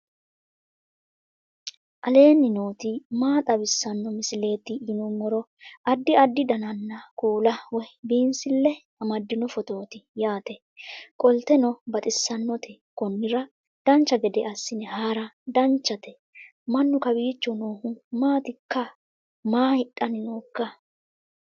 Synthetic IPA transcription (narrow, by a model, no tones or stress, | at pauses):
ʔɐle̞ːnːɪnoːt̪ɪmaːt̪ʼɐbɪsːɐnːɔmɪsɪle̞ːt̪ːɪːnʊmːɔɾɔ | ɐd̪ːɪɐd̪ːɪd̪ɐnɐnːɐkʼuːlɐwɔjbiːnsɪlːɛ | ɐmɐd̪ːɪnɔfɔt̪o̞ːt̪ɪjaːt̪ɛ | kʼɔlt̪ɛnɔbɐt̪ʼɪsːɐnːɔt̪ʰɛkɔnːɪɾɐ | d̪̥ɐnt͡ʃːɐɡɛd̪ɛʔɐsːɪnɛhaːɾɐd̪ɐnt͡ʃːɐt̪ɛ | mɐnːʊkɐbiːt͡ʃːɔnoːhʊmaːt̪ɪkːɐ | maːhɪɗʼːɐnɪnoːkːɐ